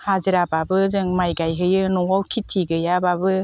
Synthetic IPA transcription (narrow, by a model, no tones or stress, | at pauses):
haziɾababɯzɯŋmajɡajɦɯjɯnɔwawkʰitʰːiɡɯjababɯ